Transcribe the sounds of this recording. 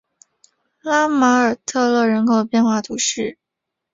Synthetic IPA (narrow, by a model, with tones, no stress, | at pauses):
la˥ma˧˥ə˞˨˩t̪ʰɤ˥˧lɤ˥˩ɻə˧˥nkʰo˨˩ʊpjɛ˥˧nxwa˥˩t̪ʰu˧˥ʂɻ̩˥˩